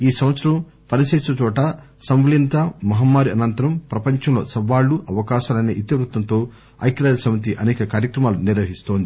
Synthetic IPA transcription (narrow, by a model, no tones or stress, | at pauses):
iːsɐmʋɐt̪sɐɾɐm | pɐɾɐseːʃɐt͡ʃɔːʈɐ | sɐmʋlint̪ɐmɐɦɐmːaːɾiɐnɐnt̪ɐɾɐmpɾɐpɐɲt͡ʃɐmlo̞ːsɐbaːɭːuʔɐʋɐkaːʃalɐjnɐʔit̪ɐʋɾut̪ːɐnt̪o̞ː | ɐ̰jkɾaːdɐsɐmɐt̪̬iʔɐnɛːkɐkaːɾjɐkɾɐmaːluniɾʋɐɦist̪o̞ːnd̪i